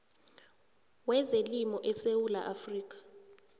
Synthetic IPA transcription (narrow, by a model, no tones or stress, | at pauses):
wɛzelimɔʔɛsewula̰ʔafriːk̬ʼḁ